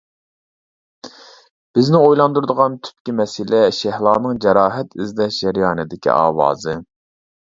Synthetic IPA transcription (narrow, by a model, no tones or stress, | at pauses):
b̥ɪznɪojlˠɑnd̪uɾd̪əʁɑnt̪ʰy̥p̚kʲimɛsɪlɛʃɛhlˠɑːnɨŋd͡ʒɛɾɑːɦɛt̪ɪzd̪ɛʃɛɾjɑːnɨd̪ɪkʲḭʔɑ̰ːwɑ̰ːzɨ